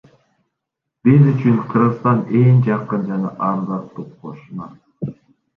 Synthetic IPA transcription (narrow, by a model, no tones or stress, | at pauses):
b̥izyt͡ʃynqʰɯɾʁɯst̪ɑneŋd͡ʒɑqːɯnd͡ʒɑnɑʔɑɾzɑqt̪ːuq̚qʰoʃunɑ